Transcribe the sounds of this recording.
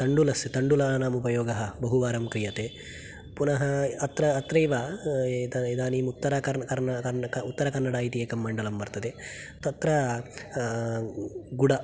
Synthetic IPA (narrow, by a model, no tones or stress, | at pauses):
t̪ɐɳɖulɐst̪ɐɳɖulaːnaːmupɐjoːɡɐɦɐbɐɦuʋaːɾɐmkɾijɐt̪eː | punɐɦɐɐt̪ɾɐːt̪ɾɐjʋaːd̪ɐid̪aːniːmut̪ːɐɾɐkɐkɐɾɐkɐkɐut̪ːɐɾɐkɐnːɐɽaːjit̪ijeːkɐmːɐɳɖɐlɐmbɐɾt̪ɐd̪e | t̪ɐt̪ɾɐ | ɡuɽɐ